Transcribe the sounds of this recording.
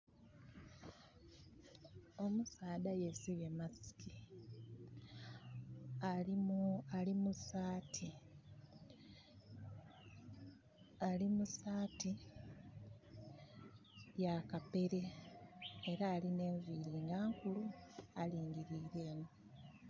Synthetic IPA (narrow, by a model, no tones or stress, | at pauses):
o̞musaːdaje̞siβemasi̥ki | alialimusaːtʰi | alimusaːti | jakape̞ɾe̞ | eɾaːline̞ːɱviɾiŋɡaːŋkulualiːŋɡiɾiːɾe̞ːmu